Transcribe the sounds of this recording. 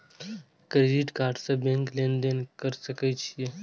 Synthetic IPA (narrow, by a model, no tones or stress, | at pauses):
kɾeːɖɪʈkaːɾɖsebẽŋklẽnd̪enkəɾsɐkɛt͡ʃʰie